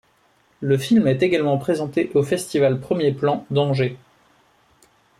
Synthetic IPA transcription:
ləfilmɛt̪eɡalmɑ̃pχezɑ̃t̪eʔofɛst̪ivalpχəmjeplɑ̃d̪ɑ̃ʒe

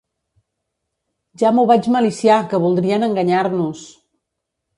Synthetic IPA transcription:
ʒamuβad͡ʒməlisijakəβulˠd̪ɾiənəŋɡəɲaɾnus

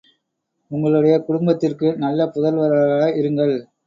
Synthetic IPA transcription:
ʊŋɡɐɭɯɽɐjɐkʊɽʊmbɐt̪ːɪrkɯnɐlːɐpʊðɐlʋɐɾɐɪɾɯŋɡɐɭ

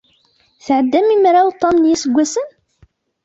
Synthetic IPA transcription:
θʕəd̪ːæmimɾawt̪ˤːɑmnjæsəɡʷːæsən

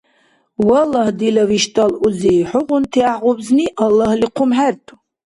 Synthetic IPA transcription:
walːahdilaviʃtʼaluzejħʊqʷʼʊntʰiaʁʷʊbzniʔalːahliqʷʰʊmħartʰʼ

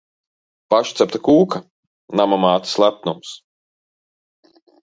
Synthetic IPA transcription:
paʃt̪sɛpt̪akuːka | namamaːt̪i̥slˠæpt̪nums

